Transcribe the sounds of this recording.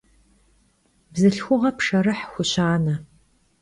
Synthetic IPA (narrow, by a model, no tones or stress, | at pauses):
bzɨɬxʷʊʁɐpʂɐrɨħxʷʊɕaːnɐ